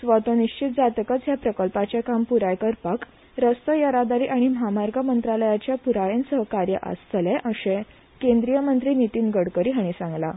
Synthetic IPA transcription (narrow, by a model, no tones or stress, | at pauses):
sʋət̪oniɕt͡ɕit̪̚d͡zat̪kət͡sjapɾəkəlpat͡ɕjakampuɾajkəɾpak | ɾəst̪əjəɾad̪aɾiːʔaɽ̃iməɦamaɾɡʱəmənt̪ɾaləjat͡ɕjapuɾajensəɦəkaɾjə̰ʔa̰st̪leʔəɕe | kẽnd̪ɾijəmənt̪ɾiːnit̪iːnɡəɽkəɾiːɦaɽ̃isãŋɡla